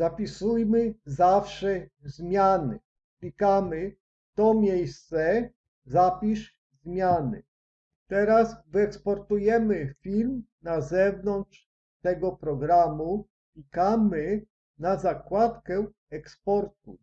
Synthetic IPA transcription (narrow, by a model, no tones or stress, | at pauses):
zapʲisujmɘzafʂɛzmʲjanɘ | klʲikamɘ | t̪ɔmʲjejstt̪sɛ | zapʲiʂ | zmʲjanɘ̰ | t̪ɛɾasvɘɛkspɔɾt̪ujɛmɘfʲilmnazɛvnɔntʂ | t̪ɛɡɔpɾɔɡɾamu | klʲikamɘ | nazakwat̪kɛ | ɛkspɔɾt̪̚ṵ